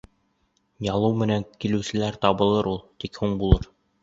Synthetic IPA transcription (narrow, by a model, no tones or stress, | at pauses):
jɑlˠɤwmɘ̆næŋkilɘ̆wsɘ̆læɾt̪ɒβɤ̆lˠɤɾulˠt̪ikhuɴbulˠɤɾ